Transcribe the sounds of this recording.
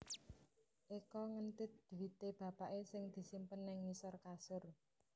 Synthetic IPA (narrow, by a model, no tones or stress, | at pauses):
ʔikɔŋənt̪ɪt̪̚d̪̥uwit̪eb̥ä̤paʔesɪŋd̪̥i̤simpənːɪŋːisɔrkasʊr